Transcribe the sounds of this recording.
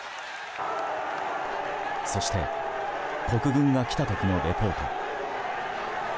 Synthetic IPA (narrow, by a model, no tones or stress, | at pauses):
so̞ɕi̥t̪e̞̰ | ko̞kɯ̟ɡɯ̟̃ŋɡakʲi̥t̪at̪o̞kʲino̞ɾe̞po̞ːt̪o̰